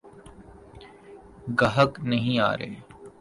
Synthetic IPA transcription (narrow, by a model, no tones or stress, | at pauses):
ɡɐɦəknɐɦĩa̰ːɾḛː